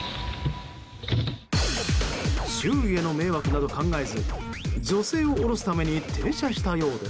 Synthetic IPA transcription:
ɕɨːie̞no̞me̞ːβakɯ̟nad̪o̞kãŋɡaezɨd͡ʑo̞se̞ːo̞ʔoɾo̞sɨ̥t̪ame̞ɲ̟it̪ʰe̞ːɕaɕi̥t̪ajo̞ːd̪e̥

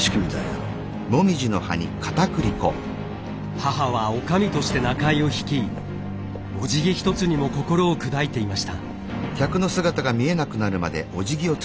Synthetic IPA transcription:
ɕkimʲit̪ai | mo̞mʲiʑino̞ha̰ɲ̟ḭkʰḁt̪akɯ̟ɾʲiko̞̰ | hahaβaokamʲit̪o̞ɕi̥t̪e̞nakaio̞çi̥kʲiː | o̞d͡ʑiɡʲiçi̥t̪o̞t͡sɨɲ̟imo̞ko̞ko̞ɾo̞ːkɯ̟d̪ait̪e̞imaɕi̥t̪a̰ | kʲakɯ̟no̞sɨɡat̪aɡamʲie̞nakɯ̟naɾɯ̟ma̰d̪e̞ʔo̞ʑiɡʲio̞

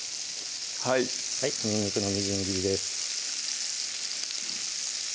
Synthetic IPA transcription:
hai | haiɲĩɲːikɯ̟no̞mʲiʑĩŋɡʲiːd̪e̞sɨ̥

